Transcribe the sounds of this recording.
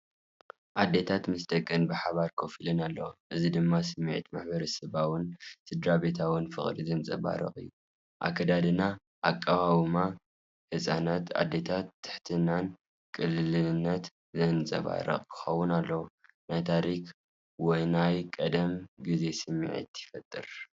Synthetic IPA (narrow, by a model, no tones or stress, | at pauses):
ʔad̪ːe̞t̪ʰat̪mɨsd̪ɐkʼːɨnbɨħaβaɾkʰofilɨnalːɐwoʔɨzid̪ɨmːasɨmːiʕḭt̪maħbɐɾɐsɨβawʊnt̪ʰɨd̪ɾabe̞t̪ʰawɨnfɨ̰χʼɾizɐnt͡sʼɐ̰βa̰ɾɐ̰xʼɨ̰jːu | ʔa̰kʰɐd̪ad̪ɨna | ʔakʼːaβawɨma | ħɨsʼanat̪a̰d̪ːe̞t̪ʰat̪ʰːɨ̥ħt̪ʰɨnan | kʼɨlːɨlɨnːɐt̪ | zɐnt͡sʼɐ̰βa̰ɾɐ̰χʼkʰɨ̥xɐwːʊnalːɐwu | najt̪ʰaɾik | wɔjnajkʼɐd̪ɐmɡɨze̞sɨmːḭʕḭt̪jɪfɐt̪ʼːɨ̰ɾ